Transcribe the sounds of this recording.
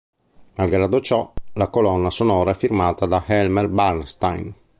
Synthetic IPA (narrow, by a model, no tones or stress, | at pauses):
nalɡɾad̪ot͡ʃɔlakolɔnːasonɔːɾaɛfːirmaːt̪ad̪ahɛlmɛrbarnst̪ajn